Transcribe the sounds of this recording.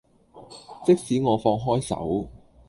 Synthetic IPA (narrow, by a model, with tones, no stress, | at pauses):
t͡sɪ˥k̚siː˨˥ŋɔː˨˧fɔː˧ŋɦɔː˥jsɐ̰˨˥w